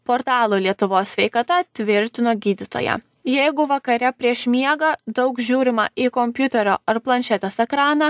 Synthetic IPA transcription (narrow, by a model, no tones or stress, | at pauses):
poːɾt̪ɑːlˠoːlʲiɛt̪ʊʋoːsʲsʲʋʲɛɪkɐt̪ɐt̪ʲʋʲɪɾʲt̪ʲɪnoːɡʲiːd̪ʲɪt̪o̰ːjɛ̰ | jɛɪɡʊʋɐkɐɾʲɛpʲɾʲiɛʃmʲiɛɡɐd̪ɒʊkʒʲuːɾʲɪmɐ̰ɪkɔmʲpʲjʊt̪ʲɛɾʲo̰ːɐɾplˠɐnʲʃʲɛt̪ʲɛsɛkɾɑːnɐ